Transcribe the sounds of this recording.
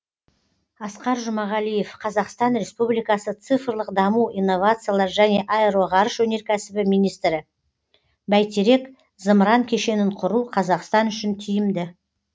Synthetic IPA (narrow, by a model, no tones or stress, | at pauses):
ɑsqɑɾʒʊmɑʁɑlije̞fqʰɑzɑqst̪ɑnɾʲe̞spublijkɑsət̪sɨfrlˠəqd̪ɑmuʔijnːo̞vat̪sɨjalˠɑɾʒæne̞ʔaeɾoʁɑɾəʃwɵne̞ɾkʲʰæsɪbɪmijnijst̪ɾɪ | bæjt̪eɾe̞k | zəmɾɑŋkʲʰe̞ʃe̞nɪɴqʰʊɾuqʰɑzɑqst̪ɑnʏʃɪnt̪ʰijɪmd̪ɪ